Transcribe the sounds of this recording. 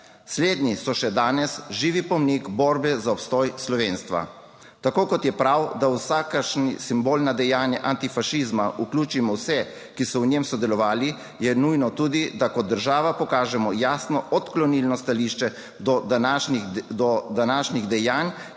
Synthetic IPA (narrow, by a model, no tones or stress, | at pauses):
sleːd̪nisɔʃɛd̪aːnɛsʒiːʋipɔmnikbɔːɾbɛzaɔpst̪ɔːjslɔʋeːnst̪ʋa̰ | t̪akoːkɔt̪jɛpɾawd̪awsaːkaʃnisimboːlnad̪ɛjaːnjaʔant̪ifaʃizmaukluːt͡ʃimɔwsɛ | kisɔwɲemsɔd̪ɛlɔʋaːli | jɛnujnɔt̪uːd̪id̪akɔd̪ːəɾʒaːʋapɔkaːʒɛmɔjaːsnɔʔɔt̪klɔnilnɔst̪aliʃt͡ʃɛ | d̪ɔad̪ɔd̪anaːʃniɣd̪ɛjaːn